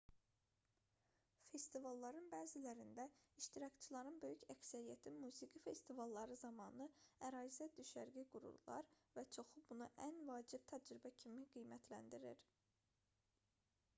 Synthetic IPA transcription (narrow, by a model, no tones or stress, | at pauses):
fe̞st̪ivɑlˠːɑɾɯnbæːzilæɾind̪æiʃt̪iɾɑkt͡ʃʰilˠɑɾɯnbø̞jycæksæɾijæt̪ʰimuːziɡife̞st̪ivɑlˠːɑɾɯzɑmɑːnɯæɾɑːzæd̪yʃæɾɡiɡuɾṵɾlˠɑ̰ɾvæt͡ʃʰo̞xubunuʔænvɑːd͡ʒib̚t̪ʰæd͡ʒɾibæcʰimiɡijmæt̪ʰlæ̰nd̪iɾiɾ